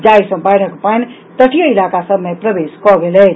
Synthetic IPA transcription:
d͡ʒajsə̃bajɾʰəkpajn | t̪əʈʰijəilakasəbʱmepɾəbeskɔɡelɛ

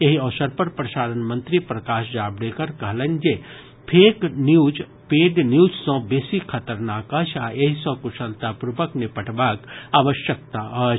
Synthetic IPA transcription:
jeɦiɔːsəɾpɐɾpɾɐʃaːɾənmə̃nt̪ɾipɾɐkaːʃd͡ʒaːbɽekɐɾkɐɦlend͡ʒe | pʰeːknjuːd͡ʒ | peːɖnjuːd͡ʒsõbeːsikʰɐt̪əɾnaːkɐt͡ʃʰaːʔeɦisɔ̃ːkuʃɐlt̪apɾubəknɪpəʈbaːkaːʋəʃjək̚t̪aɦ

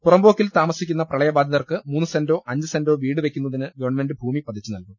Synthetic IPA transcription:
purɐmbo̞ːkːilt̪aːmɐsikʲːunːɐprɐɭɐjɐbaːd̪ʱɐðɐrkɨmuːnːɨsendo̞ːʔɐɲd͡ʑɨsendo̞ːʋiːɽɨʋe̞kʲːun̪ːɐðinɨɡɐʋɐɳme̞ndɨbʱuːmipɐt̪d̪ʰit͡ɕːɨnɐlkum

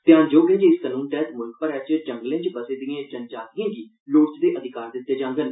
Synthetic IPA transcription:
t̪ɪjãːd͡ʒoːɡẽːd͡ʒeɪsəlũːnʈɛːt̪mʊlkpəɾɛːt͡ʃd͡ʒə̃ŋɡlẽːt͡ʃbəseːd̪ijãːt͡ʃənd͡ʒaːt̪ɪãːɡiː | loːʈt͡ʃd̪eːʔəd̪ʱɪkaːɾd̪ɪt̪ːeːd͡ʒãːŋɡən

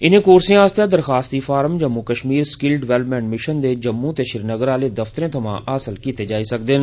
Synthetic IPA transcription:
ɪnẽːkoːɾsẽaːst̪jãd̪əɾxaːst̪iːfʰaːɾəmd͡ʒəmːukəʃmiːɾskɪlɖɪʋɛːləpmɛ̃ːɳʈmɪʃənd̪eːd͡ʒəmːũt̪eːʃɪɾnəɡəɾaːleːd̪əft̪əɾẽːt̪ʰəmã̰ːʔaːsəlkiːt̪eːd͡ʒaːisək̚d̪ɪn

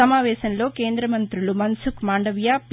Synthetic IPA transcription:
ɐmaːʋɛːʃɐnlo̞ːkeːnd̪ɾɐmɐnt̪ɾulumɐnsukmaːɳɖɐʋjaːp

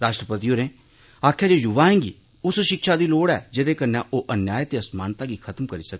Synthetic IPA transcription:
ɾaːʃʈɾəpət̪iːoːɾẽː | aːkʰjaːd͡ʒoːjʊʋaːẽːŋɡḭː | ʊsʃɪkʃaːd̪iːloːɽɛ̰ːd͡ʒed̪eːkəɾnãːʔoːʔənjaːjt̪eːəsmaːnt̪aːɡiːkʰət̪əmkəɾiːsək̚ː

